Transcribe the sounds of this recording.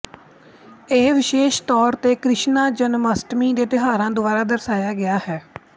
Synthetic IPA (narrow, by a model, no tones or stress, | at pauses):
eːʋɪʃeːʃt̪ɔːɾt̪eːkɾɪʃnaːd͡ʒənməsʈmiːd̪eːt̪ɪɦaːɾãːd̪ʊbaːɾaːd̪əɾsaːjaːɡɪaːhɛː